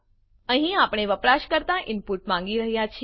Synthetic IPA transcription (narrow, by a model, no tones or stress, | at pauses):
əɦĩapɳ̃eʋəpɾaʃkəɾt̪aʔɪnpuʈmãŋ̆ɡiɾəɦjat͡ʃʰ